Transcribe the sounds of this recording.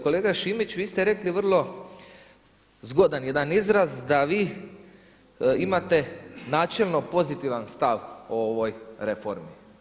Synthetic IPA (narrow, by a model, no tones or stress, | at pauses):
ko̞leːɡaʃimit͡ɕʋiːst̪eɾe̞kliʋr̩lˠo̞ | zɡod̪anjed̪anizɾazd̪aʋiː | imat̪e̞naːt͡ʃelˠno̞po̞zit̪iʋanst̪aʋooʋo̞jɾe̞foɾmi